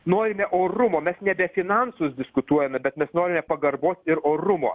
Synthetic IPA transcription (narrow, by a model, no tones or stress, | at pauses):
noːɾʲɪmʲɛʔoːrʊmoːmʲɛsnʲɛbʲɛfʲɪnɐnsʊsd̪ʲɪskʊt̪uɔjɛmʲɛbʲɛt̪mʲɛsnoːɾʲɪmʲɛpɐɡɐrboːsɪɾoːɾʊmo̰ː